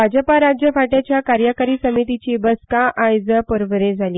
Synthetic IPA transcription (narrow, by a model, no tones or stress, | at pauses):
bʱad͡ʑəpaɾad͡ʑjəfaʈjat͡ɕjakaɾjəkəɾiːsəmit̪it͡ɕibəskãʔajd͡zəpəɾʋəɾẽd͡zʱaliː